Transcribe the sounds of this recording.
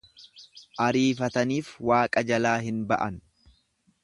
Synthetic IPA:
ʔɐɾiːfɐt̪ɐniːfwaːkʼɐd͡ʒɐlaːɦɪnbɐʔɐn

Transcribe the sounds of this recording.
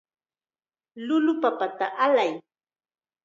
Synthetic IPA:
lʊlʊpapat̪a̰ʔalaj

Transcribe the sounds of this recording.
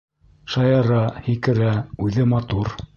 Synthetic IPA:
ʃɑjɑɾɑhikɘ̆ɾæʉðɘmɑt̪uɾ

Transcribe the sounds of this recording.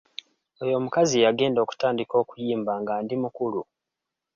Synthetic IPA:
o̞jo̞mukazijaɡe̞ːndoku̥taːndiko̞ːkujiːmbaːŋɡaːndimukulu

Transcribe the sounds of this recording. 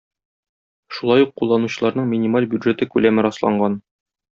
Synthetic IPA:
ʃulˠɑjuqːulˠːɑnuɕɤ̆lˠɑɾnɤɴmʲɪnʲimalʲbjud̪ʒet̪ɘkʉlæmɘɾɒslˠɑ̰ɴɢɑn

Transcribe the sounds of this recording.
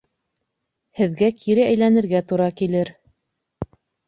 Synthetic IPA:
hɘ̆ðɡækʰiɾɘæjlænɘ̆ɾɡæt̪uɾɑkilɘɾ

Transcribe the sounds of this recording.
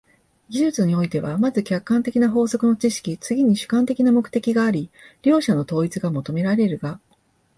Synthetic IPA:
ɡʲiʑɨt͡sɨɲ̟io̞it̪e̞βamazɨkʲakːãnt̪e̞kʲinaɦo̞ːso̞kɯ̟no̞t͡ɕiɕi̥kʲit͡sɨɡʲiɲ̟iɕɨ̥kãnt̪e̞kʲinamo̞kɯ̟t̪e̞kʲiɡaːɾʲiɾʲo̞ːɕano̞t̪o̞ːit͡sɨɡamo̞t̪o̞me̞ɾaɾe̞ɾɯ̟ɡa

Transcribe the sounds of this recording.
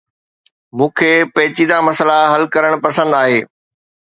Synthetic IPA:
mũːkʰeːpɐɦɪt͡ɕiːd̪amɐsəlaɦɐlkɐɾəɽ̃pɐsə̃nd̪aːɦeː

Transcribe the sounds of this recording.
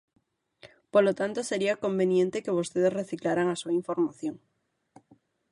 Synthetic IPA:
polot̪ant̪ose̞ɾiako̞mbenjẽnt̪ekeβost̪eðesreθiklaɾaŋasuaiɱfo̞ɾmaθjo̞ŋ

